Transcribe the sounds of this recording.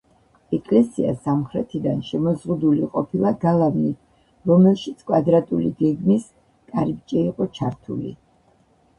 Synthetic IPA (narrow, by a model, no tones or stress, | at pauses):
ɛkʼlɛsia̰samχɾɛt̪ʰid̪anʃɛmɔzʁud̪uliqʼɔpʰilˠaɡalˠavni | ɾɔmɛlˠʃit̪sʰkʼwad̪ɾat̪ʼuliɡɛɡmis | kʼaɾip̚t͡ʃʼɛiqʼɔt͡ʃʰaɾt̪ʰṵlḭ